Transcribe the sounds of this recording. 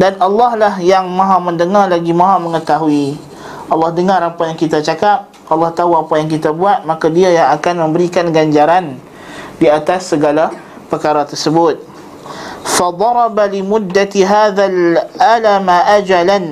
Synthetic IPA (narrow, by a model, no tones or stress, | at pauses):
danʔɑlːɑhlahjaŋmãɦaməndəŋarlaɡimãɦamə̃ŋət̪aɦui | ʔɑlːɑhdəŋaɾapajaŋkit̪at͡ʃakap̚ | ʔɑlːɑht̪auapajaŋkit̪abuat̪̚makadiajaŋakanmə̃mbəɾikanɡaɲd͡ʒaɾan | diat̪asːəɡala | pərkaɾat̪ərsəbʊt̪̚ | fad̪ˤɑɾˤɑbalimud̪ːat̪iɦaːðalʔalamaʔad͡ʒalan